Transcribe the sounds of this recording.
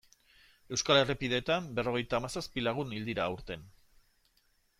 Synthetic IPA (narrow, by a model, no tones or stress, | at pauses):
e̞wskale̞ripiðe̞ːt̪ambe̞ro̞ɣ̞e̞jt̪aːmasaspilaɣ̞unild̪iɾaːuɾt̪e̞n